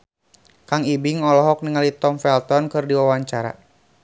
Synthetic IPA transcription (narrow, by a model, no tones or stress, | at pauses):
kaŋibiŋɔlɔɦɔk̚niŋalit̪ɔmfɛlt̪ɔnkɨrdiwawaɲt͡ʃaɾa̰